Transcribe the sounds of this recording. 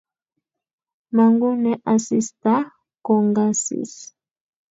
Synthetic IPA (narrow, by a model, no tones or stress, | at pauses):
maŋɡuneʔasist̪a | koŋɡasḭs